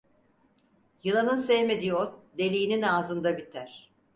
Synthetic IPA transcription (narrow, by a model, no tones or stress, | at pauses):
jɯlˠanɯnsɛjmed̪iot̪̚d̪e̞lʲijːninaːzɯnd̪abit̪ʰæɾ̥